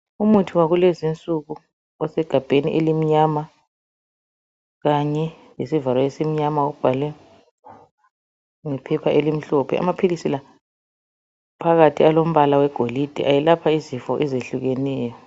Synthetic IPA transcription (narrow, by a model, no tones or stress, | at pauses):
umutʰiwaɣulezint͡sʼuɣu | ɔsɛɡ̥ʱab̥ʱeniʔelim̩ɲama | ɣaɲɛ | jesivalɔesem̩ɲamaɔb̥ʱalɛ | ŋɛpʰɛpʰaʔelim̩ɬɔpʰɛ̰a̰mapʰilisila | pʰaɣatʰialom̩βalawɛɡ̥ʱolid̥ʱḭʔajɛlapʰaizifɔʔɛzeɬuɣɛnɛːjɔ